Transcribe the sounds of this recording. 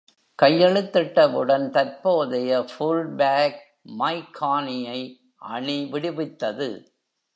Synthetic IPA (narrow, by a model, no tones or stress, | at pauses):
kɐjːɛɭɯt̪ːɪʈːɐʋɯɽɐnt̪ɐɾpoːðɐjɐfulɖbaːk̚ | mɐɪkʰːaːnɪjɐɪ | ʔɐ̰ɳɪʋɪɽɪʋɪt̪ːɐðɯ̰